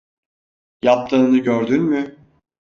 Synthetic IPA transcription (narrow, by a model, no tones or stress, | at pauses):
jap̚t̪ʰɯnɯnɯɟøɾd̪ynmʏ